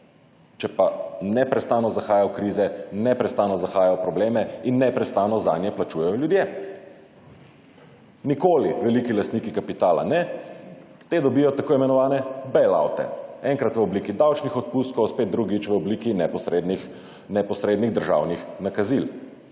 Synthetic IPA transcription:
t͡ʃɛpanɛpɾɛst̪aːnɔzaxaːjajɔkɾizɛnɛpɾɛst̪aːnɔzaxaːjajɔpɾɔbleːmɛinːɛpɾɛst̪anɔza̰ːnjɛplat͡ʃuːjɛjɔljud̪je | nikoːliʋɛlikilast̪nikikapit̪aːla̰nɛ | t̪ed̪ɔbijɔt̪akoːimɛnɔʋaːnɛbɛla̰wt̪ɛ̰ɛŋkɾat̪ʋəɔbliːkid̪awt͡ʃnixɔt̪̚pust̪kɔwspeːt̪̚d̪ɾuɡit͡ʃʋəɔbliːkinɛpɔsɾed̪nix | nɛpɔsɾeːd̪niɣd̪əɾʒa̰ːwnixnakazil

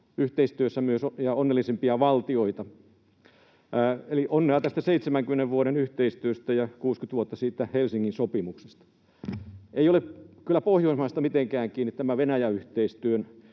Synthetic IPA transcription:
yht̪eist̪yøsːæmyøsojɑonːelːˑisempiɑʋɑlt̪ioit̪ɑ | eliʔonːeɑt̪æst̪æseit̪semæŋkymeneʋʋuoɾenyht̪eist̪yøst̪æjɑkuːskyt̪ʋuot̪ːɑsiːt̪ːæhelsiŋːinsopimuksest̪ɑ̥ | eijolepkylːæpohjoˑismɑist̪ɑmit̪eŋkæːŋkiːnːit̪t̪æmæʋenæjæyht̪eist̪yøn

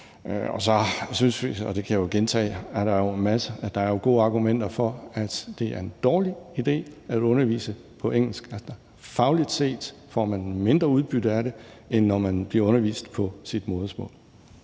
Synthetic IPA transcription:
ɒ̰sɒ̽synsʋiɒd̥e̝kʰæjo̝ɡ̥ent͡sʰɛ̰ːæɐɾ̥ɑ̈jo̝mæsəd̥ɑ̈æɐjo̝ɡ̥o̝̰ːɑ̈ːɡ̥umen̰d̥ɐfɒ̽æd̥d̥e̝æɐe̝nd̥ɒːliid̥e̝̰ːædɔ̽nɐʋḭːsə | pʰɒ̽eŋ̰l̩sɡ̥æld̥ɐ | fɑ̈ʊlid̥se̝̰ːd̥ | fɒ̰mænme̝nd̥ʁɐuð̞ˠb̥yd̥̩æɾe̝ | enːɒmænb̥liɐɔ̽nɐʋḭːsd̥pʰɒ̽sid̥mɔːðˠsmɔ̰̽ːl

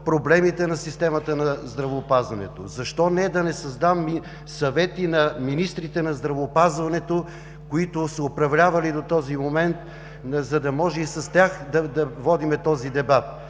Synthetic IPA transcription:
pɾoblɛmit̪ɛnɐsist̪ɛmɐt̪ənɐzd̪ɾɐvoːpazvɐnɛ̰t̪o̰zɐʃt̪ɔnɛd̪ɐnɛsɐzd̪amːi | sɐvɛt̪inɐminist̪ɾit̪ɛnɐzd̪ɾɐvoːpazvɐnɛt̪o | koit̪ʊsɐopɾɐvlʲavɐlid̪ot̪ɔzimomɛnt̪ | zɐd̪ɐmɔʒɛisɐst̪ʲaxd̪ɐd̪ɐvɔd̪imɛt̪ɔzid̪ɛbat̪̚

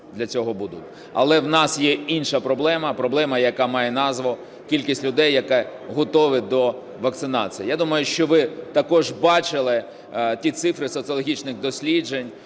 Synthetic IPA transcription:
d̪lʲɐt͡sʲɔɦɔbud̪ʊtʲ | ɐ̰lˠɛwnɑsjɛinʃɐpɾɔblˠɛmɐpɾɔblˠɛmɐjɐkɑmɑjɛnɑzʋɔ | kʲilʲkʲisʲtʲlʲʊd̪ɛjːɐkɛ | ɦɔt̪ɔʋɪd̪ɔ | ʋɐkt̪sɪnɑ̰t͡sʲijijad̪umɐjʊʃt͡ʃɔʋɪt̪ɐkɔʒbɑt͡ʃɪlˠɪ | tʲit̪sɪfɾɪsɔt̪sɨjɔlˠɔɦʲit͡ʃnɪxd̪ɔsʲlʲid͡ʒenʲ

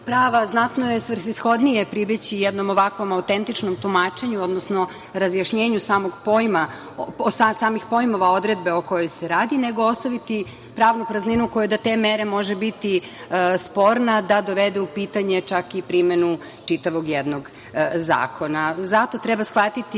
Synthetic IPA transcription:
pɾaːʋaznat̪nojesʋr̩xisxo̞d̪nije̞pɾibet͡ɕijɛd̪no̞moʋakʋo̞maut̪ent̪it͡ʃno̞mt̪umaːt͡ʃe̞ɲuo̞d̪nosno | ɾazjaʃɲeːɲusaːmoɡpo̞jma | osasaːmixpojmo̞ʋao̞d̪ɾe̞d̪̚beoko̞jojseɾaːd̪ine̞ɡo̞o̞st̪aʋit̪i | pɾaːʋnupɾazninuko̞jud̪at̪emeɾe̞mo̞ʒebit̪ispo̞ɾnad̪ad̪o̞ʋed̪ɛupit̪aɲe̞t͡ʃakipɾimenu | t͡ʃit̪aʋo̞ɡjed̪no̞ɡ | za̰ːkʰo̞nazat̪o̞t̪ɾɛbasxʋat̪it̪i

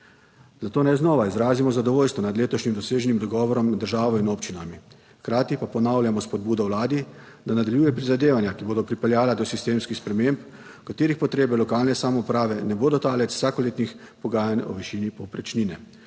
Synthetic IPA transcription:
zat̪oːnajznɔːʋaizɾaːzimɔzad̪ɔʋoːlst̪ʋɔnad̪leːt̪ɔʃnimd̪ɔseːʒɛnimd̪ɔɡɔʋɔɾɔmd̪əɾʒaːʋɔinoːpt͡ʃinami | xkɾaːt̪ipapɔnawljamɔspɔd̪̚buːd̪ɔwlaːd̪i | d̪anad̪aljuːjɛpɾizad̪eːʋanjakiboːd̪ɔpɾipɛljaːlad̪ɔsist̪eːmskixspɾɛmemp | kat̪eːɾixpɔt̪ɾeːbɛlɔkaːlnɛsamɔupɾaːʋɛnɛboːd̪ɔt̪aːlɛt͡s̪w̥saːkɔleːt̪nix | pɔɡaːjanɔ̰ʋiʃinipɔpɾɛt͡ʃninɛ

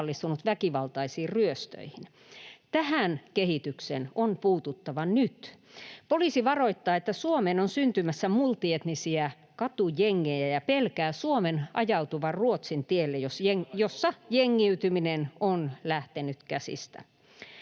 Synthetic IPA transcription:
lːist̪unut̪ʋækiʋɑlt̪ɑisiːrryøst̪ø̰ihin | t̪æhænkehit̪yksenonpuːt̪ut̪ːɑʋɑnyt̪ | poliːsiʋɑroit̪ːɑːet̪ːæsuomenonsynt̪ymæsːæmult̪iet̪nisiæ | kɑt̪ujeŋːejæjɑpelkæːsuomenʔɑ̰jɑut̪uʋɑrruot̪sint̪ielːejosjosːɑjeŋːiyt̪yminenonlæht̪enyt̪kæsḭst̪æ̰

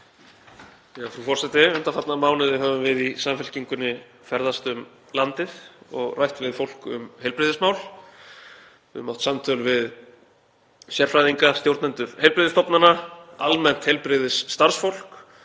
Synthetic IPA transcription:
jɛɣafɾufɔr̥sɛt̪ɪʏnt̪afat̪namaːwnɪðɪɦaːvʏmvɪðisamfɛl̥ciŋkʏnːɪ | fɛɾðast̪ʏm | lant̪ɪðɔɣrajht̪vɪðfowl̥kʏ̰mhejlpɾɪðɪsmawl | ɪ̰mːawht̪samt̪ʰœlvɪð | sjɛr̥fɾajðiŋkast̪jowɾt̪nant̪ʏɾ̥hejlpɾɪðɪst̪ɔpnanaalmɛn̥t̪hejlpɾɪðɪsːt̪aɾ̥sfowl̥k

